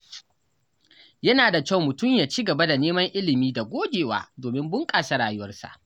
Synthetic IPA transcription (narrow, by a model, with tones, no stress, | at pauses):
jɐ˦naː˨da˨kʲa˦˨wmʊ˨tʊ˦˨mjaː˨t͡ʃiː˦ɡɐ˨ba˦da˨neː˦mɐ˦ŋʔɪ˦lɪ˨miː˦da˨ɡʷoː˦d͡ʒʲeː˨wa̰ː˨doː˨mɪ˦mbʊ˦ŋkʼaː˨sa˨˦ɽaː˨jʊ˦wɐ˦rsa̰˨ʔ